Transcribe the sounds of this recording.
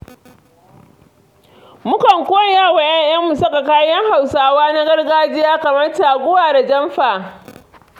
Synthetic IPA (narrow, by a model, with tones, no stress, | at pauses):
mʊ˦kɐ˨ŋkʷoː˦jjaː˦˨wa˨jɐ˦ɲʔjɐ˦mːu˨sɐ˦ka˨kaː˦jɐ˦ŋɦa˨wsaː˦waː˦na˦ɡɐ˦rɡaː˦d͡ʒɪ˦jaː˦kɐ˨mɐ˦rtaː˨ɡʷʊ˦waː˨da˨d͡ʒɐ˦mɸaː˨ʔ